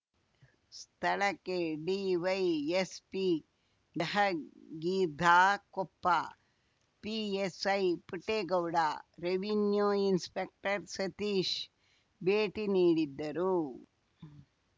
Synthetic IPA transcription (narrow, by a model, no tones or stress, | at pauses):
st̪ʰɐɭɐkːeɖiʋɐjespi | ɖɐɦɐɡiːɾd̪ʱaːkɔpːa | piesɐjpiʈːeːɡɐwɽaːɾeʋinjoːinspek̚ʈɐɾsɐt̪iːʃ | beːʈiniːɽid̪ːɐɾu